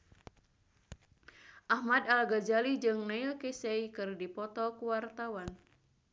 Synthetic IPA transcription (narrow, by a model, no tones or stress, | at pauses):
ʔahmad̪alɡad͡ʒalid͡ʒɨŋnailkeseikɨrdipɔt̪ɔkuwart̪awan